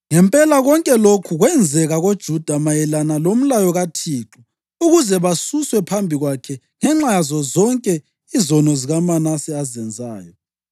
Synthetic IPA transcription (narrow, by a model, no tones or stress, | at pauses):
ŋɛmpʼɛlaɣɔŋkʼɛlokʰuɣwɛnd͡zʱɛɣaɣod̥ʒ̥ʱud̥ʱamajɛlanalom̩lajɔɣatʰiːǁɔ | uɣuzɛβasuswɛpʰambʱiɣwakʰɛ | ŋɛŋ͡ǁajazɔzɔŋkʼɛ | izɔnɔziɣamanasɛazɛnd͡zʱa̰ːjɔ